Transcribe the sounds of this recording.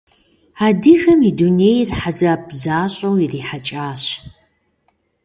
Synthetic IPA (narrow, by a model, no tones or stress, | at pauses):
aːdɨɣɐmidunejrħazabzaːɕʼɐwiriːħat͡ʃʼaːɕ